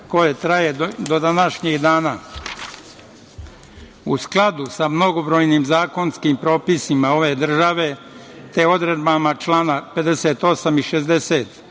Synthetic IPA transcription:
ko̞jet̪ɾajed̪od̪anaʃɲeɡd̪aːna | usklˠad̪usamno̞ɡobɾo̞ːjnimzaːko̞nskiːmpɾo̞ːpisimao̞ʋe̞d̪r̩ʒaʋe̞ | t̪eo̞d̪ɾed̪bamat͡ʃlˠaːnape̞d̪e̞seːt̪o̞samiʃezd̪eset̪

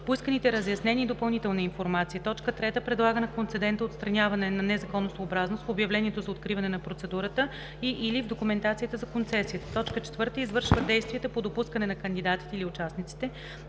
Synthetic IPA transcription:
poiskənit̪ɛɾəzjɐsnɛniːd̪opɐlˠnit̪ɛlˠnɐinfoɾmat̪sijət̪ɔt͡ʃkət̪ɾɛt̪əpɾɛd̪lˠaɡənɐkont̪sɛd̪ɛnt̪əot̪st̪ɾɐnʲjavɐnɛnɐnɛzɐkɔnːosoobɾaznost̪fobjɐvlɛniɛt̪ozɐot̪̚kɾivɐnɛnɐpɾot̪sɛd̪uɾət̪ə | iʔilivd̪okumɛnt̪at̪sijət̪əzɐkont̪sɛsijət̪ə̥t̪ɔt͡ʃkət͡ʃɛ̥t̪vɤɾt̪əizvɤɾʃvəd̪ɛjst̪viət̪əpod̪opuskənɛnɐkənd̪id̪at̪i̥t̪ɛiliʊt͡ʃasnit̪si̥t̪ɛ

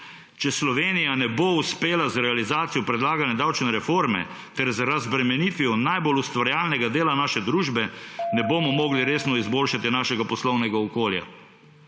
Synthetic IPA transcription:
t͡ʃɛslɔʋeːnijanɛbouspeːlazɾɛalizaːt̪sijɔpɾɛd̪laːɡanjɛd̪awt͡ʃnɛɾɛfoɾmɛ̰ | t̪ɛɾzɾazbɾɛmɛniːt̪ʋijɔnajbolust̪ʋaɾjaːlnɛɡad̪eːlanaːʃɛd̪ɾuːʒbɛnɛboːmɔmoːɡliɾeːsnɔizboːlʃat̪inaːʃɛɡapɔslɔwnɛɡaɔkoːlja̰

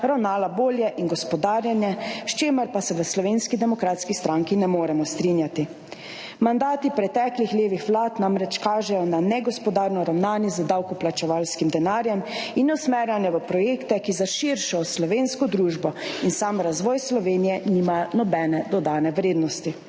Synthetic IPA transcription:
ɾawnaːlaboːljɛʔinɡɔspɔd̪aːɾjanjɛʃt͡ʃeːməɾpasɛʋəslɔʋeːnskid̪ɛmɔkɾat̪skist̪ɾaŋkinɛmoːɾɛmɔst̪ɾinjat̪i | mand̪aːt̪ipɾɛt̪ɛːklixleːʋixʋlaːt̪namɾɛt͡ʃkaːʒɛjɔnanɛɡɔspɔd̪aːɾnɔɾawnaːnjɛzəd̪awkɔplat͡ʃɛʋaːlskimd̪ɛnaːɾjɛminɔsmɛɾjanjɛʋəpɾɔjeːkt̪ɛkizaʃiɾʃɔslɔʋeːnskɔd̪ɾuːʒbɔinsamɾazʋɔːjslɔʋeːnijɛniːmanɔbɛːnɛd̪ɔd̪aːnɛʋɾeːd̪nɔst̪i

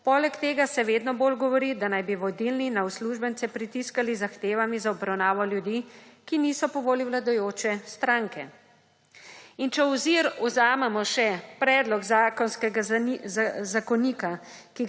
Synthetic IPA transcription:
pɔlɛkt̪eːɡasɛʋeːd̪nɔboːlɡɔʋɔɾid̪anajbiʋɔd̪ilninawsluʒbənt̪sɛpɾit̪iskalizaxt̪eːʋamizaɔbɾawnaːʋɔljud̪ikiniːsɔpɔʋoːliwlad̪ɔjoːt͡ʃɛst̪ɾaːŋkɛ̰ | int͡ʃɛwziɾɔzaːmɛmɔʃɛpɾɛːd̪lɔɡzakɔnskɛɡa | zakɔniːka | ki

